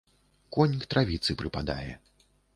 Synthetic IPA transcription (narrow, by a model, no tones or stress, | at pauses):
kɔnʲikt̪ɾavʲit̪sɨpɾɨpad̪a̰jɛ̰